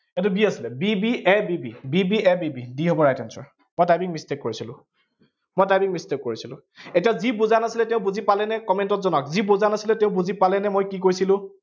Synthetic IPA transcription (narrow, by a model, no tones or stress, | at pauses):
et̬ubiasilɛbibiʔɛbibibibiɛbibidiɦobɔɹajtɛnsɔ̰ɹ | mojtajbiŋmistekːoɹisilʊ̰̃ | mojtajbiŋmistekːoɹisilʊ̰̃ | etijazibuzanasilɛtẽʊ̃buzipalɛnɛkɔmentɔtzɔnɔkzibuzanasilɛteʊ̃buzipalɛnɛmojkik̬ojsilʊ̃